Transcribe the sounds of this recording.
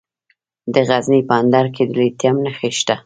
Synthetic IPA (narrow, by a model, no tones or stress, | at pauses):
d̪əɣaznipɑnd̪ɑɾked̪əlet̪jamnaxeʃt̪a